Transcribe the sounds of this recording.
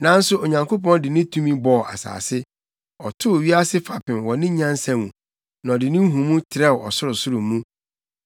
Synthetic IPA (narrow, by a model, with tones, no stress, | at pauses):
nã˦n̩˦sʊ˦o˨ɲã˨ŋkʰo˦pɔ̃˦ndɪ˨nɪ̃˦tʰũ˦mĩ˦bɔ˨ʔa̰˨sa̰ː˨sɪ˦ | ɔ˨tʰʊ˦˨ɥi˦a˦sɪ˦fa˨pɪ̃˨nwɔ˨nɪ̃˦ɲã˦nsã˨wũ˨ | nã˨ɔ˨dɪ˨nɪ̃˦ɦũ˨mũ˦tʰɪ˨ɾɛ˦wɔ˨sʊ˦ɾʊ˨sʊ˦ɾʊ˨mũ˦